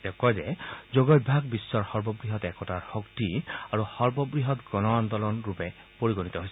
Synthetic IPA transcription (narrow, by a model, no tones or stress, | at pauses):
dɛkɔjzɛzoɡɔj̚bʱaɡbisːɔɹxɔɹbɔbɹiɦɔtɛkɔtaɹxoktiaɹuhɔɹbɔbɹiɦɔtɡɔnɔand̪ɔlɔnɹupɛ | poɹiɡonitɔɦojsɛ